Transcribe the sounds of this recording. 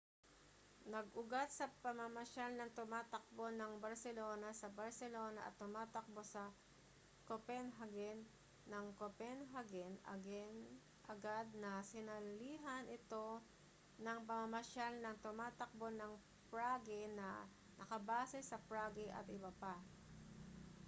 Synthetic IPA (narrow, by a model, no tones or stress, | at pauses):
nɐɡʔʊɡat̪̚sɐpɐmɐmɐʃalnɐŋt̪ʊmaːt̪ɐk̚bo̞nɐŋbɐɾsɛloːnɐsɐbɐɹsɛlo̞ːnɐʔɐ̰t̪ːʊmaːt̪ɐk̚bo̞sɐ | kopɛnɦɐɡɛnː | ɐŋkopɛnɦɐɡɛnɐ̰ɡɛn | ʔɐɡad̪̚nɐsɪnɐlliːɦɐnɪt̪o̞ | nɐŋpɐmɐmɐʃalnɐŋt̪ʊmaːt̪ɐk̚bo̞nɐŋ | pɹaːɡɛnɐ̰ | nʔɐkɐbaːsɛsɐpɹaːɡɪʔɐ̰t̪ɪbɐpa